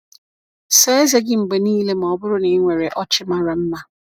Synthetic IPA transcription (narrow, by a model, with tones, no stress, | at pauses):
seː˦ze˦ɡɪ˦ŋ͡m̩˨ɡ͡be˨niː˦le˦m̩˨ɔ˨bʊ˦ɾʊ˦nɪ˨˦ŋʷe˨ɾe˨ʔɔ˦t͡ʃɪ˦ma˦ɾa˨m̩˦ma˦